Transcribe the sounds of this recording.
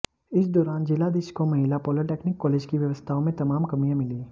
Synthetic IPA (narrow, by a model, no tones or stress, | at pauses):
ɪsd̪ɔːɾaːnd͡ʒɪlad̪ɪʃkomɐɦɪlapɔːliʈeːknɪkːɔːleːd͡ʒkiʋjɐʋəst̪ʰaõmẽt̪ɐmaːmkɐmijãmɪliː